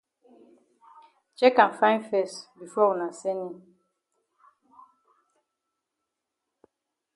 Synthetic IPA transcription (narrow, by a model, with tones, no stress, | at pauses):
d͡ʒɛ˦kã˨nfã˦ɪ̃˦nfɛ˦˨sbi˨fɔ˦wu˨na˨sɛ˦nĩ˦˨